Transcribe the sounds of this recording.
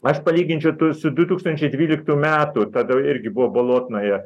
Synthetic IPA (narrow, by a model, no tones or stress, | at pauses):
ɐʃpɐlʲiːɡʲɪnʲt͡ʃʲɛʊt̪usʊd̪ʊt̪uːkst̪ɐnʲt͡ʃʲɛɪdʲʋʲiːlʲɪkt̪uːmʲæːt̪ut̪ɐd̪ɐɪɾʲɡʲɪbʊʋoːboːlˠoːt̪ʲnoːjɛ